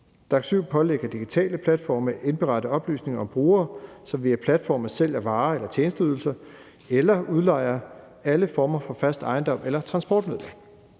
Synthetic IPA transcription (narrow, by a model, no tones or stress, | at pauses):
d̥ɑ̈ɡ̥syʊ̰pʰɒ̽leɡ̥ɐd̥iɡ̥it͡sʰɛ̰ːləpʰlæd̥fɒ̰ːmeʔe̝nb̥e̝ʁɑ̈d̥əɒ̽b̥ly̰ːsne̝ŋɐɒ̽mb̥ʁuːɐːsɒ̽mʋiɐpʰlæd̥fɒ̰ːməsel̰æɐʋɑ̈ːelɐt͡ɕʰeːnsd̥əyðˠl̩sɐ | elɐuð̞ˠlɑ̈ɪ̰ɐ | æləfɒːmɐfɒ̽fæsd̥ɑ̈ɪnd̥ɒ̽m̰elɐt͡sʰʁɑ̈nsb̥ɒːd̥meðˠlæ̥